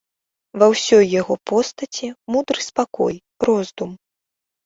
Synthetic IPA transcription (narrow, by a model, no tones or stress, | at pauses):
vɐwsʲɔjːaɣɔpɔst̪ɐt͡sʲimud̪ɾɨspakɔ̰j | rɔzd̪um